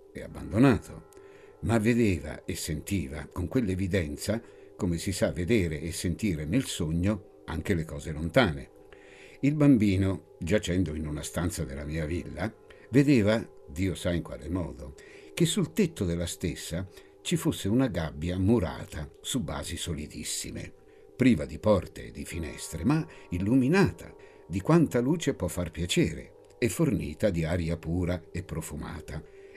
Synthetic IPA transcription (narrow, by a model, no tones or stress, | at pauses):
ɛa̰bːa̰nd̪onaːt̪ʰo | mavːed̪eːva̰esːent̪iːva̰koŋkwelːevid̪ɛnt̪sa | komesisavːed̪eːɾeːsːent̪iːɾenelsoɲːo | a̰ŋk̟elekɔːzelont̪aːne | ilbambiːno | d͡ʒat͡ʃɛnd̪oinunast̪ant̪sad̪elamiːavilːa | ved̪eːvad̪iːosaiŋkwa̰lemɔːd̪o | k̟esːult̪et̪ːod̪elːast̪esːa | t͡ʃifosːeunaɡabːjamuɾa̰ːt̪ʰasubːa̰ːzisolid̪ḭsːḭmḛ | pɾiːvad̪ipɔrt̪ḛːd̪ːifinɛ̰st̪ɾemailːuminaːt̪ʰa | d̪ikwant̪aluːt͡ʃepwɔfːarpjat͡ʃɛːɾḛ | efːornḭːt̪ad̪iaːɾjapuːɾaepːɾofuma̰ːt̪ʰa